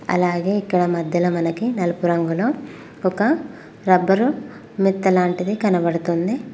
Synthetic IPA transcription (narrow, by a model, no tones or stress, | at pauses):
ɐ̰laːɡeikːɐɭɐmɐd̪ːɐlɐmɐnɐkːinɐlpuɾɐŋɡulo | kuka | ɾɐbːɐɾu | mit̪ːɐlaːɳʈid̪ikɐnɐbɐɽut̪und̪e